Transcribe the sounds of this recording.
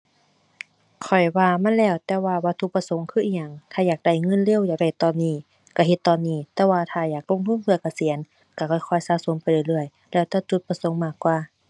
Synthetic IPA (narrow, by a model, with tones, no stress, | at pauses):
kʰɔ˨˩jwaː˧ma˧˥˨nlɛː˧˩˨wt̪ɛː˧waː˧˩waː˧˩t̪ʰu˧˥k̚pa˧so˨˦ŋkʰɯː˧˨ʔiː˧˨ɲa˧˩ŋt̪ʰaː˧˩jaː˨˩k̚da˧˩jŋɤ˧˨nle˧˥˨wjaː˨˩k̚da˧˩jt̪ɔː˧˨nːiː˧˩ | ka˧˩ɦe˧t̪ːɔː˧˨nːiː˧˩t̪ɛː˧waː˧t̪ʰaː˧jaː˨˩k̚lo˧˥˨ŋt̪ʰu˧˥˨npʰɯ˧ɐka˧˩si˨˦ən | ka˧˩kʰɔ˧˩jkʰɔ˧˩˨jsaː˧˦so˨˦npa˧˨jlɯː˧˩˨lɯ˧˩əj | lɛː˧˩wt̪ɛː˧˩t͡ɕu˧˦t̪̚pa˧so˨˦ŋmaː˧˩kːwaː˧˩